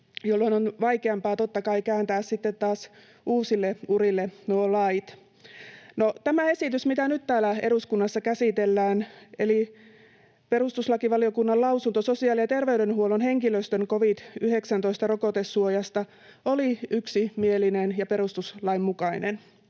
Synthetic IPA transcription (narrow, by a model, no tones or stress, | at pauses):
jolːoinonʋɑikeɑmpɑːt̪ot̪ːɑkɑikæːnt̪æːssit̪ːet̪tɑːs | uːsilːeurilːenuolɑit̪ | not̪æmæesit̪ysmit̪ænyt̪t̪æːlæeɾuskunːɑsːɑkæsit̪elːæːneli | pe̞rust̪uslɑkiʋɑliokunːɑlɑusunt̪ososiɑːlijɑt̪erʋeyɾenhuolonhe̞ŋkiløst̪øŋkoʋid̪̥yheksænt̪oist̪ɑrokot̪esːuojɑst̪ɑ | oliyksimielinenjɑpeɾust̪uslɑimmukɑinen